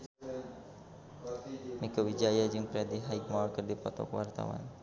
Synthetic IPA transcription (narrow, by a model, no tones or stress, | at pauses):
mikəwid͡ʒajad͡ʒɨŋpɾɛdiɦajk̚malkərdipɔt̪ɔ̰kwart̪a̰wa̰n